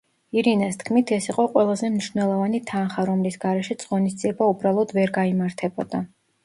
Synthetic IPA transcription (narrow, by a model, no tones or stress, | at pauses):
iɾinast̪ʰkʰmit̪ʰɛsiqʼɔqʼwɛlˠazɛmniʃvnɛlˠɔvanit̪ʰanχaɾɔmlisɡaɾɛʃɛt̪sʼʁɔnisd̪ziɛbaubɾalˠɔd̪vɛɾɡaimaɾt̪ʰɛbɔd̪̥a